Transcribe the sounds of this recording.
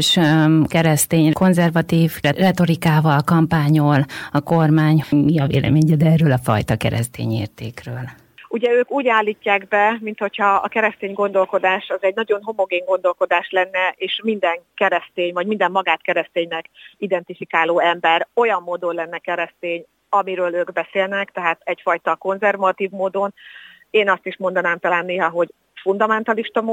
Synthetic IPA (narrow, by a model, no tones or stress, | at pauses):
ʃkɛɾɛst̪eːɲkʰo̞nzɛrvɒt̪iːvrɛt̪o̞ɾikaːvɒlkɒmpaːɲolɒko̞rmaːɲmiɒvḛːlʔɛ̰meːɲɛd̪ɛːrøːlɒfɒ̰jt̪ɒkɛ̰ɾɛ̰st̪ḛːɲḛːrt̪ḛːkrøːl | uɟɛøːkuːɟaːlːiːcːaːɡbɛmint̪ho̞cʰhɒ̰ːkɛɾɛst̪eːɲɡo̞nd̪o̞lko̞d̪aːʃɒzɛɟnɒɟo̞nɦo̞mo̞ɡeːŋɡo̞nd̪o̞lko̞d̪aːʃlɛnːɛʔeːʃmind̪ɛŋkɛɾɛst̪eːɲvɒɟmind̪ɛmːɒɡaːt̪kɛɾɛst̪eːɲnɛkid̪ɛnt̪ifikaːloːɛmbɛɾo̞jɒmːoːd̪o̞nlɛnːɛkɛɾɛst̪eːɲ | ɒmiɾøːløːɡbɛseːlnɛkt̪ɛɦaːt̪ɛcfɒjt̪ɒko̞nzɛrvɒt̪iːvmoːd̪o̞n | eːnɒst̪iʃmo̞nd̪ɒnaːmt̪ɒlaːnːeːɦɒɦo̞ɟ | fund̪ɒmɛnt̪ɒliʃt̪ɒm